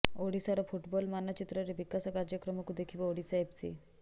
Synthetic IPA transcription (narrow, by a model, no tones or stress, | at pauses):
oɽisaɾafuʈbɔlmanːat͡ɕit̪ɾəɾiʋikasakaɾd͡ʑəkɾəmakud̪ekʰiːʋoɽisaebt͡sḭ